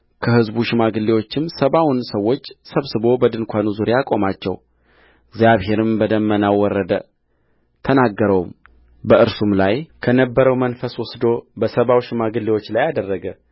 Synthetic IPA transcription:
kʰəhɨzbuʃɪmaɡɨlːewo̞t͡ʃːɪmsəβawʊnsəwːo̞t͡ʃːsəβsɨβo̞bəd̪ɨnkʷʰanuzuɾeakʼo̞mat͡ʃːɛ̰w | ɪɡzjaβɦe̞ɾɨmbəd̪əmːənawɔrːəd̪ə | t̪ʰənaɡːəɾəwum | bəʔɨɾsumlajkʰənəbːəɾəwmənfəswʊsd̪o̞bəsəβawʃɪmaɡɨlːewo̞t͡ʃːlajad̪ərːəɡə

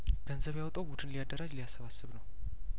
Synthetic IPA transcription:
ɡ̥ənzəβjawt̪ʼəwbud̪ɨnlijad̪ːəɾad͡ʒlijasːəβasːɨβnəw

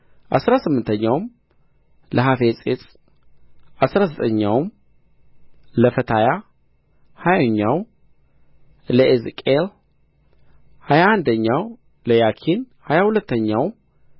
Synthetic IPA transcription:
ʔa̰sɾasɨmːɨnt̪ʰəɲːawm | ləɦafesʼet͡s̪ʼ | ʔasɾazət̪ʼəɲːawm | ləfət̪ʰaja | hajoɲːaw | ləezkʼel | hajaand̪əɲːaw | ləjakʰin | hajahulət̪ːəɲːaw

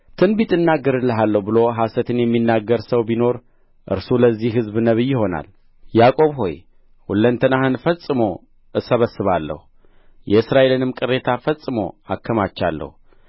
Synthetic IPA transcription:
t̪ʰɨnbit̪ʼɨnːaɡːəɾɨlːəɦalːəhubɨlo̞ɦasət̪ʰɨnjɛmːinːaɡːəɾsəwbino̞ɾ | ʔɨ̰ɾsuləzːihɦɨzbnəβɨjːɪho̞na̰l | jakʼo̞βho̞̰j | wulːənt̪ʰənahɨnfəsʼɨmo̞ | ʔɨsəβəsːɨβalːə̰hu | jɛɨsɾaʔe̞lɨnɨmkʼɨrːe̞t̪ʰafəsʼɨmo̞̰a̰kʰːəmat͡ʃːa̰lːə̰hu

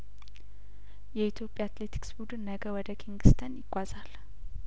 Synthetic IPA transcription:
jɛit̪ʰjo̞pʼːjaat̪let̪ʰi̥ksbud̪ɨnːəɡəwɔd̪əkʰiŋɡɨst̪ʰənjɪɡʷazal

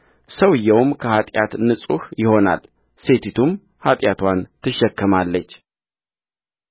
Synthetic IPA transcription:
səwɨjːɛwmkʰəhat̪ʼjat̪nɨsʼṵhjɪho̞na̰l | se̞t̪ʰit̪ʰum | hat̪ʼjat̪ʰwant̪ʰɨʃːɛkːɨmalːət͡ʃː

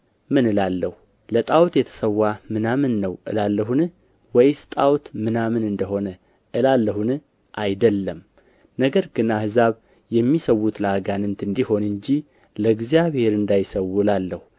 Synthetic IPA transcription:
mɨnɨlalːəhu | lət̪ʼawt̪jɛt̪ʰə̥səwːamɨnamɨnːəwʔɨ̰lalːəɦunɨ | wɔjst̪ʼawt̪mɨnamɨnɨnd̪əho̞nə | ʔɨlalːəhunɨ | ʔajd̪əlːəm | nəɡəɾɡɨnahɨzaβ | jɛmːisəwːut̪ləaɡanɨnt̪ɨnd̪iho̞nɨɲd͡ʒi | ləɡzjaβhe̞ɾɨnd̪ajsəwːuɨlalːəhu

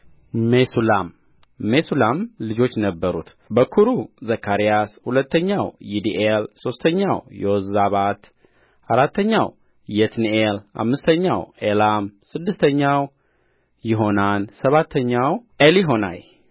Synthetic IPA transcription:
mesulamː | esulamlɨd͡ʒo̞t͡ʃːnəbːəɾṵt̪ | bəkʰuɾuzəkʰːaɾijashulət̪ːəɲːawjid̪iʔelso̞st̪ʰəɲːawjowzaβat̪ | ʔaɾat̪ːəɲːaw | jɛt̪niela̰mːɨst̪ʰəɲːawelamsɨd̪ːɨst̪ʰəɲːaw | jɪɦo̞nansəβat̪ʰːəɲːaweliɦo̞na̰j

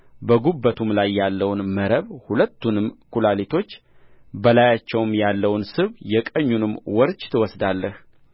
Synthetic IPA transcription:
bəɡubːət̪ʰumlajːalːəwnməɾəβhulət̪ːunɨmkʰulalit̪ʰo̞t͡ʃː | bəlajat͡ʃːɛwmjalːəwnsɨβjɛkʼəɲːunɨmwɔɾt͡ʃt̪ʰɨwɔsd̪alːəh

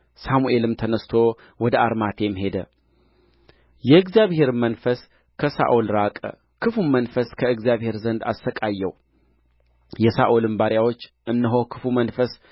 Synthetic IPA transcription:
samuʔe̞lɨmt̪ʰənəst̪ʰo̞ | wɔd̪əaɾmat̪ʰe̞mɦe̞d̪ə | jɛɨɡzijaβhe̞ɾmənfəs | kʰəsa̰ʔulɾakʼə̰ | kʰɨfumənfəskʰəɨɡzijaβhe̞ɾzənd̪a̰sːəkʼajːɛw | jɛsaʔulɨmbaɾjawot͡ʃː | ɨnːɨɦo̞kʰɨ̥fumənfəs

